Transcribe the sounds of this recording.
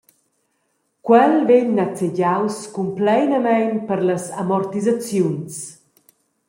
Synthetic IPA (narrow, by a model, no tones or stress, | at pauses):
kwɛlveɲnat͡seɟawskumplɛjnəmɛjnpəɾləsamɔrt̪izat͡sjuns